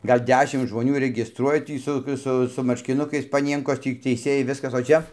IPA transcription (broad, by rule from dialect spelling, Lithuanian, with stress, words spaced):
ˈɡɐlʲ ˈdʲæːʃʲɪm ʒmoːˈnʲuː rʲɛɡʲɪsˈtruɔjɛ ˈtʲiː sʊ ˈsʊ ɡʲɪ sʊ mɐrʲʃʲkʲɪˈnʊkɐɪs pɐˈnʲiɛŋkoːs ˈtʲiː tʲɛɪˈsʲeːjɛɪ ˈʋʲɪskɐs oː ˈt͡ʃʲɛ